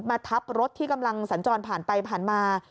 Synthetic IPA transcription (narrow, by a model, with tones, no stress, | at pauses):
maː˧t̪ʰa˦˥p̚ɾo˦˥t̪ʰːiː˥˩ka˧mla˧ŋsa˩˦nt͡ɕɔː˧npʰaː˨˩npa˧jpʰaː˨˩nmaː˧